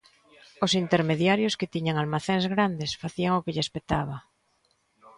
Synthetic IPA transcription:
ʊsint̪eɾmeðjaɾjoskɪt̪iɲaŋalmaθeŋzɣɾand̪esfaθiaŋokɪʎespet̪aβ̞a

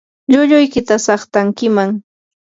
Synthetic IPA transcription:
ʎʊʎʊjkɪt̪asɑχt̪aŋkɪmaŋ

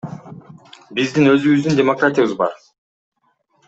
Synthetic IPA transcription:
bizd̪inø̞zyβyzd̪yndʲemokratʲɪjəβɯzbɑ̰ɾ

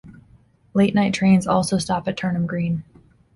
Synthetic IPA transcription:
leɪʔⁿnaɪtʰɹ̥ẽɪ̃nzɔlˠsoʊstɑpɨtʰɜ̃˞nə̃mɡɹĩn

